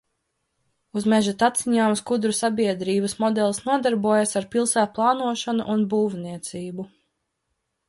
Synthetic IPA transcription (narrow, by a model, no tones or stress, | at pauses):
uzmɛʒat̪at̪siɲaːmskud̪ɾusabiɛd̪ɾiːbəsmɔd̪ɛlˠsnuɔd̪aɾbuɔjasaɾpilˠsæːt̪̚plˠɑːnuɔʃanṵʔunbuːvniɛt̪siːbu